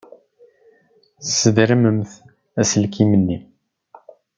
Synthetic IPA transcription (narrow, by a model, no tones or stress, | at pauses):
sːəðɾəməmθ | æsəlkimənːi